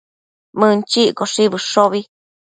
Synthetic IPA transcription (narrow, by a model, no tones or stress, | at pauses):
mɨ̃nt͡ʃiʔkoʂiβɨʂoβi